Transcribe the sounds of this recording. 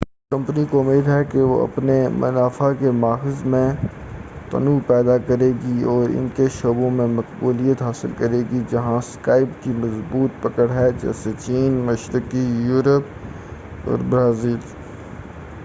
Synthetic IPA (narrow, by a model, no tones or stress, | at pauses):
kɐ̃mpnikoʊmeːd̪ɦɛkeʋo̰ɐ̰pnemɐ̰naːfakemaːxɪzmẽ | t̪ɐ̰nupɛːd̪akɐɾeːɡiɔːɾɪ̰nkeʃoːbõmẽmɐqbuːlijət̪ɦaːsɪ̰lkɐɾeːɡid͡ʒɐɦãskaːɪpkimɐzbuːt̪̚pɐkəɽɦɛd͡ʒɛ̰ːset͡ʃiːnmɐʃɾəkijuːɾəp̚ | ɔ̰ːɾbɾaːziːl